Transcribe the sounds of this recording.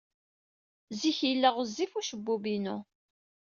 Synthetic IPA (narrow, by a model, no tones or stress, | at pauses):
ziçilːəʁəzːifuʃəbːubinu